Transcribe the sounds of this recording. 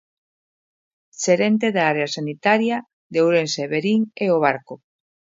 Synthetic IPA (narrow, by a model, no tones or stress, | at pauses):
se̞ɾe̞nt̪e̞ðaɾeasanit̪aɾia | d̪e̞wɾe̞nseβeɾiŋeoβ̞aɾko